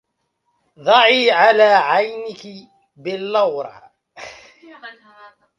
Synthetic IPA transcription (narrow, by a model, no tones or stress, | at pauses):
ðˤɑʕiːʕalaːʕajnɪkɪ | bɪlːɑwɾˤɑ̰